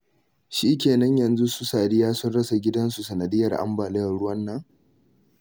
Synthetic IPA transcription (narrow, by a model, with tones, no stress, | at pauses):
ʃiː˦kʲeː˨nɐ˦ɲjɐ˨nzu˦su̥˦saː˨dɪ˦jaː˦sʊ˦nɽɐ˦sa˨ɡʲɪ˦dɐ˦nsu˨sɐ˨nɐ˨dɪ˦jːɐ˨rʔa̰˦mbaː˨le˦jɐ˨ɽʊ˦wɐ˦nːɐ˦ŋ